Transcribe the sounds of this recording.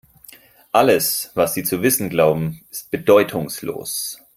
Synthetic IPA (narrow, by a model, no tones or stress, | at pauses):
ʔaləsvasz̥iːt͡suvɪsn̩ɡlaʊbm̩ɪ̥st̚b̥ədɔʏtʰʊŋslo̰ːs